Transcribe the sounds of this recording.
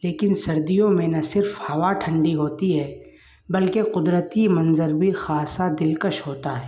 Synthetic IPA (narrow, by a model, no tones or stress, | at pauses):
leːkɪnsɐɾd̪ijõmẽnɐsɪɾfhɐʋaʈʰɐ̃ɳɖiɦoːt̪iɦɛː | bɐlkeqʊd̪ɾət̪imɐ̃nzəɾbʱixaːsad̪ɪlkəʃɦoːt̪aɦɛː